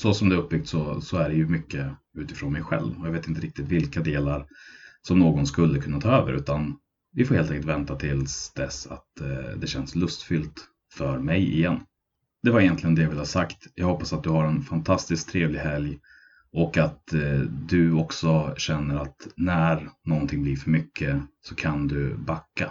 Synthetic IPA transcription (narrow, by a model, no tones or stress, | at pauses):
sɔsɔmd̪ɛɵp̚ːbʏk̚t̪sɔsɔæɖɛjɵmʏkːə | ʉ̟ːt̪ɪ̥fɾoːnmɛjɧɛ̰lvɔjɑveːt̪ɪnt̪əɾɪk̚t̪ɪt̪vɪlkad̪eːlaɾsɔmnoːɡɔnskɵlːəkʰɵnːat̪ʰɑːøːvə̰ɾʔʉ̟ːt̪an | vɪfoːɾheːlɛŋklt̪vɛnt̪at̪ʰɪlsd̪ɛsa̰t̪d̪ɛɕɛnslɵst̪fʏlt̪ | fœɾmɛjɪ̰jɛnː | d̪ɛvaɾɪjɛnt̪lɪɡənd̪ɛjavɪlːəhasakt̪jɑ̰ɡhɔpːasat̪̚d̪ɵhaɾɛnfant̪ʰast̪ɪsk̚t̪ʰɾeːvlɪɡhɛlj | ʔɔkat̪d̪ɵɔksɔɕɛnːəɾat̪næɾnɔnt̪ʰɪŋblɪɾfœɾmʏkʰːəsɔkʰand̪ɵbakːa